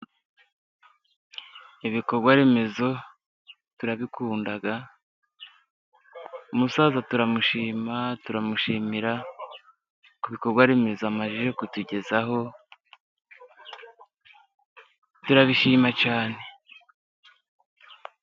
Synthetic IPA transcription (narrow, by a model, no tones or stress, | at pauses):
iβiko̞ɾɡwaɾe̞me̞zo̞ | tuɾaβikuːndaɡa | umusaːzatuɾamuʃiːmatuɾamuʃiːmiɾa | kuβiko̞ɾɡwaɾe̞me̞zoamaʒiʒe̞kutuɟe̞zaɦo̞ | tuɾaβiʃiːmacaːne̞